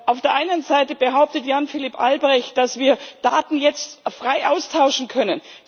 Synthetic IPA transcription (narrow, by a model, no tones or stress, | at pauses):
ʔaʊfd̥eːɐʔaɪnənzaɪtəbəɦaʊp̚tətjanfɪlipʔa̰lbʁɛçt̚d̥asv̥iːɐd̥aːtn̩jɛt͡stfʁ̥aɪʔaʊstʰaʊʃn̩kʰœnən